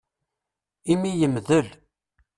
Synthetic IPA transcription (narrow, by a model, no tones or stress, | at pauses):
imijəmðəl